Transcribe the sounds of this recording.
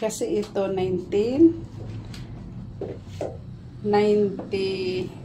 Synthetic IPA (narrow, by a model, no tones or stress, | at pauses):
kasiʔit̪onajnt̪in | ajnt̪i